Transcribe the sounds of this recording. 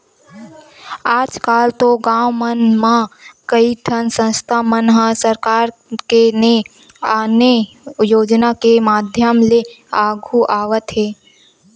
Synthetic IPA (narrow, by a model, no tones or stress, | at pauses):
aːd͡ʒkaːlt̪oɡãːwmənmãkəiʈʰənsə̃nst̪ʰamənɦə̃səɾkaːɾkene | aːne | joːd͡ʒnakemaːd̪ʱjəmle | aːɡʱuʔaːʋət̪ɦeː